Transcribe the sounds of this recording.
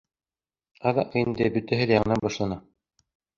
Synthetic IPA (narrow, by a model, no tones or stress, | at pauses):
ɑðɑʔɤind̪ɘbɵ̆t̪æɦɘðjɑɴɤ̆nɑnbɑʃlˠɑnɑ